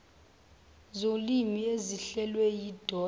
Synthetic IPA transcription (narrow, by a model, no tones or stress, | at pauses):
zolimieziɬɛlwɛjid̥ʱɔ